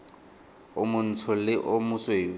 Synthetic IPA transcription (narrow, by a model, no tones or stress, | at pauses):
ʊmʊn̩tʰʊlɪʔʊmʊsweːʊ